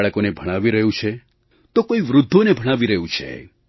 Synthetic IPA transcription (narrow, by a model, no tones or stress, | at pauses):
ɭəkonebʱəɽ̃aʋiɾəɦjũt͡ʃʰe | t̪okoiʋɾʊd̪ʱːonebʱəɽ̃aʋiɾəɦjũt͡ʃʰḛ